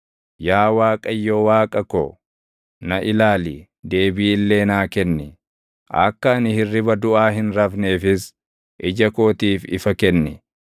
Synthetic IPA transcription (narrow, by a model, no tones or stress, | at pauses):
jaːwaːkʼɐjːoːwaːkʼɐko̰ | nɐʔɪlaːliː | d̪e̞ːbiːɪlːe̞ːnaːkɛnːɪ | ʔɐ̰kːɐɐnɪhɪrːɪbɐd̪ʊʔaːhɪnɾɐfne̞ːfɪs | ʔɪd͡ʒɐko̞ːt̪iːfɪ̰fɐkɛnːɪ